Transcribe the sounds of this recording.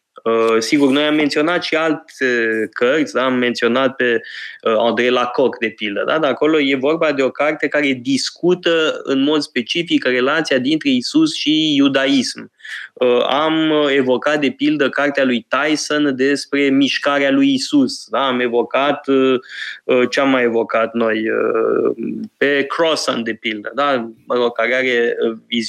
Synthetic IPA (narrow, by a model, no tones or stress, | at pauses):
əsiɡurno̞jamːe̞nt̪sio̞nat̪ʃialt̪ekərt̪sʲd̪aːmːe̞nt̪sio̞nat̪̚pe̞and̪ɾejlako̞kd̪e̞pild̪əd̪ad̪aako̞lo̞je̞vo̞rbad̪e̞o̞kart̪e̞kaɾe̞d̪iskut̪əɨ̰nmo̞d̪spe̞t͡ʃifikre̞lat̪sijad̪int̪ɾe̞isusʃijud̪aisməame̞vo̞kat̪̚d̪e̞pild̪əkart̪ealujt̪ajsand̪e̞spɾe̞miʃkaɾealujisusd̪aːme̞vo̞kat̪ | ət͡ʃeamːajevo̞kat̪no̞jə̰ | pe̞kɾosand̪e̞pild̪əd̪aɾokaɾeaɾeviz